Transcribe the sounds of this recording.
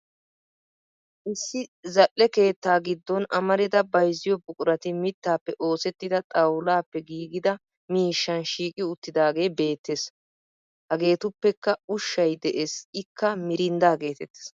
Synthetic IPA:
ʔɪsːɪzɐʔːɛke̞ːt̪ːaːɡɪd̪ːɔnɐmɐɾɪd̪ɐbɐjzːɪjɔbʊkʼʊɾɐt̪ɪmɪt̪ːaːpːɛʔo̞ːsɛt̪ːɪd̪ɐt̪ʼɐwlaːpːɛɡiːɡɪd̪ɐ | miːʃːɐnʃiːkʼɪʊt̪ːɪd̪aːɡe̞ːbe̞ːt̪ːes | hɐɡe̞ːt̪ʊpːɛkːɐʊʃːɐjd̪ɛʔesɪkːɐmɪɾɪnd̪aːɡe̞ːt̪ɛt̪ːɪ̥s

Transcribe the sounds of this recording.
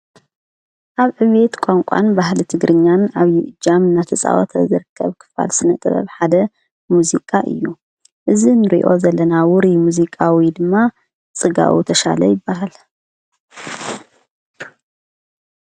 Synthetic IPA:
ʔaβʕɨβet̪kʷʼaŋkʷʼa̰nbahlit̪ʰɨɡɾʔɨɲːanaβjiʔɨd͡ʒamɨnat̪ʰɐsʼa̰wo̰t̪ʰɐzɨɾɨkʰːɐβkʰɨ̥fa̰lsɨnɐt̪ʼɐβɐ̰βħad̪ɐ | muzikʼaʔɨ̰jːu | ʔɨzinɨɾḭʔo̞zɐlːɐnawʊɾimuzikʼawid̪ɨmːa | t͡sʼɨɡa̰ʔṵt̪ʰɐʃa̰lɐ̰jɪbːaɦal

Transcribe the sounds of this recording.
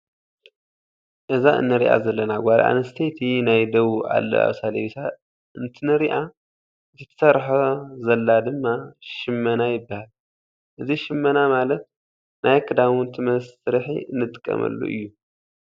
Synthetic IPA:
ʔɨzaɨ̰nːɨɾiʔa̰zɐlːɐnaɡʷaɾʔa̰nɐst̪ʰet̪ʰinajd̪ɐβuʔa̰lːɐ̰ʔa̰βsaleβisʰa | ɨnt̪ʰɨnɨɾiʔa | ɨt̪ʰɐ̥sɐɾħozɐlːad̪ɨmːaʃɪmːɐnajɪbːahal | ʔɨziʃɪmːɐnamalɐt̪̚ | nʔajkʰɨd̪amunt̪ʰɨmɐsɾħḭɨnːɨt̪ʼɨ̥kʼːɐ̰mʔɐ̰lːṵʔɨ̰jːu

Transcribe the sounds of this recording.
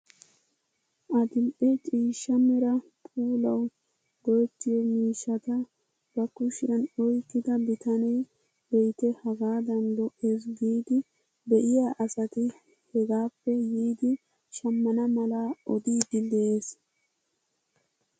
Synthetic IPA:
ʔɐd̪ɪmʔɛt͡ʃʼiːʃːɐmɛɾɐpʼuːlɐw | d̪̥oːt͡ʃːɪjɔmiːʃːɐt̪ɐ | b̥ɐkʊʃɪjɐnɔjkːɪd̪ɐbɪt̪ɐnej | bɛjt̪ɛhɐɡaːd̪ɐnd̪ɔʔeːs̬ɡiːd̪ɪ | bɛʔɪjaːʔɐsɐt̪ɪ | hɛɡaːpːɛjiːd̪ɪ | ʃɐmːɐnɐmɐlaɔd̪iːd̪ɪlːeːs

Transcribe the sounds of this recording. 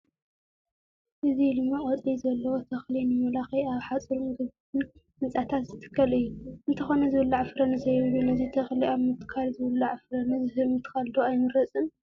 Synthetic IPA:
ʔɨzid̪ɨmːaχʼɐt͡sʼizɐlːɐwot̪ʰɐxlinɨmɐlaxɐjaβħat͡sʼɨɾumɡɨβt̪ʰɨn | mɨt͡sʼat̪ʰat̪zɨt̪ʰɨ̥kʰːɐlɨjːuɨnt̪ʰɐxo̞nɐzɨwɨlːaʕfɨɾɐnɨzɐjɪwlunɐzit̪ʰɐxliaβmɨt̪ʰːɨ̥kʰalzɨwɨlːuʕfɨɾɐnɨzɨhɨlmɨt̪ʰːɨ̥kʰald̪oajmɨɾɐt͡sʼɨn

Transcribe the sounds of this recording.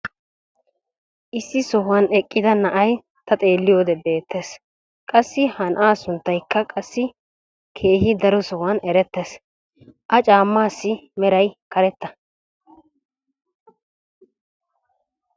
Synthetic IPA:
ʔɪsːɪsɔhʊwɐnɛkʼːɪd̪ɐnɐʔɐj | t̪ɐt̪ʼe̞ːlːɪjoːd̪ɛbe̞ːt̪ːe̞ːs | kʼɐsːɪhɐnʔaːsʊnt̪ːɐjkːɐkʼɐsːɪ | kʰe̞ːhɪd̪ɐɾɔsɔhwɐnɛɾɛt̪ːe̞ːs | ʔɐt͡ʃʼaːmːaːsːɪmɛɾɐjkɐɾɛt̪ːɐ̥

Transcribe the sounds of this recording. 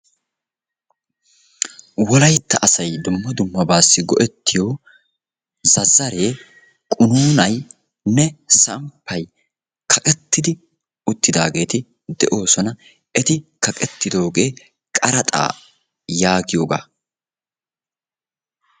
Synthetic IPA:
wɔlɐjt̪ːɐʔɐsɐjd̪ʊmːɔd̪ʊmːɐbaːsːɪɡɔʔɛt̪ːɪjo̞ː | zɐzːɐɾe̞ː | kʼʊnuːnɐj | nɛsɐmpʰːɐj | kʰɐkʼɛt̪ːɪd̪ɪ | ʊt̪ːɪd̪aːɡe̞ːt̪ɪ | d̪ɛ̰ʔo̞ːsɔnɐ | ɛt̪ɪkɐkʼɛt̪ːɪd̪o̞ːɡe̞ː | kʼɐɾɐt̪ʼa̰ː | jaːɡɪjo̞ːɡa̰ː

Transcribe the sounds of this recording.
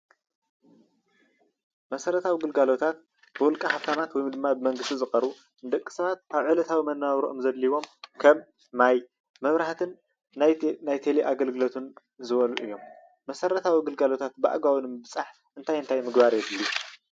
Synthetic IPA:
mɐsɐɾɐt̪ʰawiɡɨlɡalo̞t̪ʰat̪̚ | b̥ɨwʊlkʼɐhaft̪ʰamat̪wɔjmd̪ɨmːabɨmɐŋɡɨst̪izɨχʼɐɾu | nd̪ɐkʼːi̥sɐβat̪̚aβʕɨlɐt̪ʰawimɐnːaβɾoʔomzɐd̪liβo̞mkʰɐmː | aj | mɐβɾaht̪ʰɨn | najt̪ʰeliʔaɡɐlɡɨlot̪ʰɨn | zɨβɐlṵʔɨjːo̞mː | ɐsɐɾɐt̪ʰawiɡɨlɡalo̞t̪ʰat̪̚baʔɡawɨnmbɨt͡sʼaħ | ʔɨnt̪ʰajɨnt̪ʰajmɨɡbaɾjɛbɨlːu

